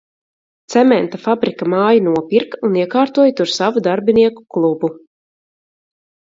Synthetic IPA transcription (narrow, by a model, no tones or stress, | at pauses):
t̪sɛmɛnt̪afabɾikamaːjanuɔpiɾkuniɛkaːɾt̪uɔjt̪uɾsavud̪aɾbʲiniɛku̥klˠubu